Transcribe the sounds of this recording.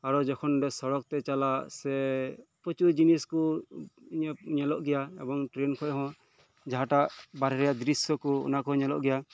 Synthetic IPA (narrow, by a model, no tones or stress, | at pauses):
aɾɔd͡ʒɔkʰɔnɾɛsɔɾɔk̚t̪ɛt͡ʃalasɛpɔt͡ʃud͡ʒiniskuiɲaɲɛlɔʔɡɛjaɛ̰bɔŋʈɾɛnkʰɔʔɦɔ̃ | d͡ʒaɦãʈaʔbaɾɛɾɛjaʔd̪ɾisjɔkuɔ̰nakɔɲɛlɔ̰ʔɡɛja